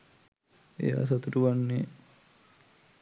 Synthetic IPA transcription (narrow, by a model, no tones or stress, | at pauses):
ḛja̰ːs̬at̪uʈuʋanːe